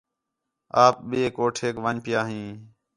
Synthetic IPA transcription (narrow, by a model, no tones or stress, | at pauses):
aːp̚ɓeːkoːʈʰeːkʋəɲpɪjaːɦĩː